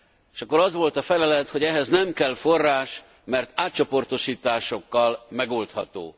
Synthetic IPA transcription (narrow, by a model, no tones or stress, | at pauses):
ʃɒkːo̞ɾɒzʋo̞lt̪ɒfɛlɛlɛt̪ho̞ɟɛɦɛznɛmkɛlforːaːʃ | mɛrt̪aːt̪̚t͡ʃo̞po̞rt̪o̞ʃiːt̪aːʃo̞kːɒlmɛɡolt̪hɒt̪o̰ː